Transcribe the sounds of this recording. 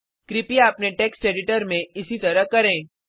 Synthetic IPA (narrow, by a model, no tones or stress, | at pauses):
kɾipijaːpneʈeksʈeɖɪʈəɾmẽɪsit̪əɾəɦkəɾẽ